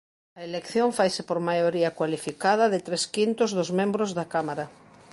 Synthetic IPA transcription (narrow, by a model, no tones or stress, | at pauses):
ɐelekθjoɱfajsɪpoɾmajoɾiɐkwalifikað̞ɐðɪt̪ɾeskint̪oʊzðozmẽmbɾozðakamaɾa